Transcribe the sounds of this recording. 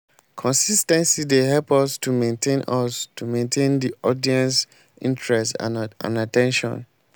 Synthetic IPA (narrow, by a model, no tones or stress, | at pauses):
kʰɔ̃nsistɛ̃nsideɦɛlpɔstumẽntʰẽnɔstumẽntʰẽndiʔɔdiɛ̃ns | ʔḭ̃ntɹɛstã̰natɛ̃nʃɔ̰̃n